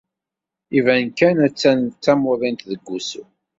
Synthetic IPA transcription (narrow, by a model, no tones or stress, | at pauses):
ivænkænæt͡sːænt͡s̪ːæmʊðˤint̪ðəɡʷːusu